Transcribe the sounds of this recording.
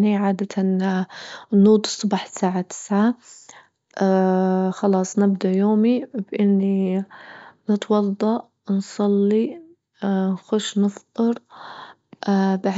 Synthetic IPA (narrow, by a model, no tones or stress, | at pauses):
niʕaːd̪at̪ʰan | nːuːd̪ˤɨsˤːʊbɑːħsaːʕat̪ɪ̥sʕa | xɑlɑːsˤnɪbd̪ajoːmibʔɪnːi | nɨt̪wɑd̪ˤːɑʔ | nsˤɑlːi | nxʊʃnɨft̪ˤɨɾ | baʕ